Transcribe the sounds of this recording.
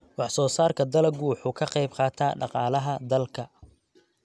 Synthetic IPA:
wɑħsɔːsaːrkʰɐd̪ɐlɐɡuːħʊkʰɐqɛjbqɑːt̪ʰaːɖɑqɑːlɐɦɐd̪ɐlkʰɐ

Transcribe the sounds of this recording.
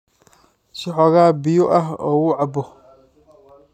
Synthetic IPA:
sɪħɔɣaːbɪjɔʔɐɦɔ̰ːwʊːʕɑbɔ

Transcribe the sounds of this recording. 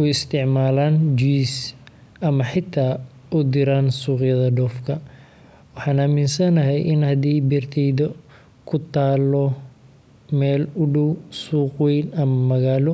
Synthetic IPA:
ʊɪst̪ʰɪʕmaːlaːnd͡ʒis | ʔɐmɐħɪt̪ʰaː | ʊd̪ɪɾaːnsuːqjɐðɐɖɔːfkʰɐ | wɑħɑːnaːmɪnsɐnɐɦɛjʔɪnhɐd̪iːbɛrt̪ʰɛjðɔ | kʰʊt̪ʰaːlɔ | mɛːlʊɖɔwsuːqwɛjnɐmɐmɐɣaːlɔ

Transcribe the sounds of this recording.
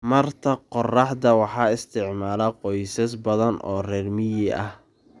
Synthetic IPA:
mɐrt̪ʰɐqɔrɑħd̪ɐwɑħɑːɪst̪ʰɪʕmaːlɐqɔjsɐsbɐðɐnʔɔ̰ːrɛːrmɪjɪɐh

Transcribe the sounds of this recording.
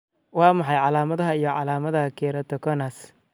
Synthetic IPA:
wɑːmɑħɑjʕɑlaːmɐðɐɦɐijɔʕɑ̰laːmɐðɐhɐkʰɛːɾɐt̪ʰɔkʰɔnɐs

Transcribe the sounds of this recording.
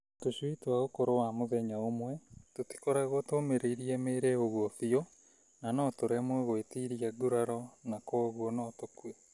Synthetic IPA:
toʃwitwaɣokoɾowamoðɛɲaomwɛtoti̥koɾaɣotoːmeɾeiɾiɛmeːɾeoɣwɔfio | nanɔtoɾɛmwɛɣoetiːɾiaɡuɾaɾɔnakoːɣwɔnɔtokwe

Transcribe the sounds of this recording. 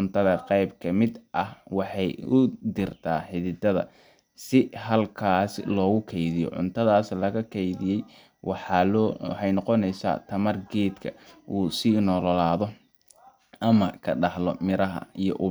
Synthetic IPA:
ʊnt̪ʰɐðɐqɑjbkʰɐmɪd̪ʔɐhwɑħɑjʊd̪ɪrt̪ʰaːħɪðɪd̪ɐðɐ̰ | sɪɦɐlkʰaːslɔːɣʊkʰɛjðɪjɔ̰ʕʊ̰nt̪ʰɐðaːslɐɣɐkʰɛjðɪjɛj | wɑħɑlwɑ̰ħɑjnɔqɔnɛjsa̰ːt̪ʰɐmɐrɡɛːd̪kʰɐ̰ʔuːsiːnɔːlɔlaːðɔ | ʔɐmɐkʰɐɖɑhlɔmɪɾɐɦɐ̰ijɔʔʊ

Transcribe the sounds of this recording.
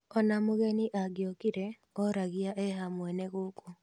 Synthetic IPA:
ɔnamoɣɛniʔaɡjɔkiɾɛ | ɔɾaɣiaʔɛɦamwɛneɣoko

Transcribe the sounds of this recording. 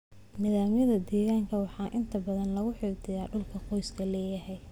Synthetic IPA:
nɪðaːmjɐðɐd̪ɛːɣaːŋkʰɐwɑħɑːʔɪnt̪ʰɐbɐðɐnlɐɣʊħɪːɡ̚d̪ʰɪjaːɖʊlkʰɐqɔjskʰɐlɛːjɐɦɛj

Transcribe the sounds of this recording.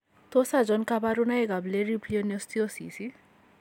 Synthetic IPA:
t̪osad͡zɔnkabaɾunaeɡableɾiplionest̪iosḭsi

